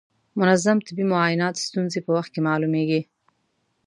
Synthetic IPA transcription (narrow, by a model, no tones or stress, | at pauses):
mʊnazamt̪ɪbimʊɑjɪnɑt̪st̪unzepəwaxt̪̚kemɑlumeɡi